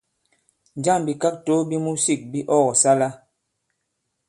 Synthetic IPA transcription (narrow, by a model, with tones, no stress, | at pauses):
n˨d͡ʒa˦˨mbi˨ka˦k̚to˦bi˦mu˦si˦˨k̚bi˦ʔɔ˦ɣɔ˨sa˦la˦